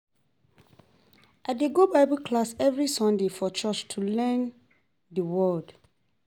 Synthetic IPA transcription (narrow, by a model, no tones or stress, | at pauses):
ʔadeɡobaɪbukʰlasɛvɹisɔ̃ndefɔt͡ʃʰɔt͡ʃtʰulɛ̃n | dəwɔld̥